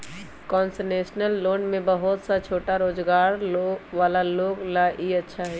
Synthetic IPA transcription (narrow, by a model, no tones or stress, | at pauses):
kɔːnsəneːsnəlːoːnmẽbəɦʊt̪sat͡ʃʰoːʈaɾoːd͡ʒɡaːɾʋaːlaloːɡlaʔiɐtːʃʰaɦɛ